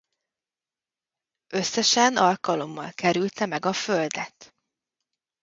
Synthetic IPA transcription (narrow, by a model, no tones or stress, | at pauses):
øsːɛʃɛnɒlkɒlo̞mːɒlkɛɾylt̪ɛmɛɡɒføld̪ɛt̪